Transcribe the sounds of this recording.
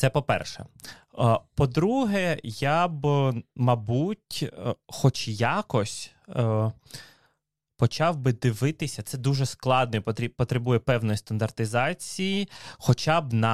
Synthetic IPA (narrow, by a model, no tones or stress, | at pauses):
t̪sɛpɔpɛ̰rʃɛ̰ | pɔd̪ɾuɦɛjabmɐbutʲxɔt͡ʃjɑkɔsʲ | pɔt͡ʃɑwbɪd̪ɪʋɪt̪ɪsʲɐt̪sɛd̪uʒɛsklˠɑd̪̚nɔt̪ʲipɔt̪ɾebujɛpɛwnɔjist̪ɐnd̪ɐrt̪ɪzɑt͡sʲijixɔt͡ʃɑbnɐ